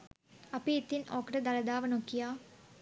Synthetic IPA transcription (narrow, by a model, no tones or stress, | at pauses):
ɐpiːt̪ːinoːkːɐʈɐd̪ɐlɐd̪aːʋɐnokːijaː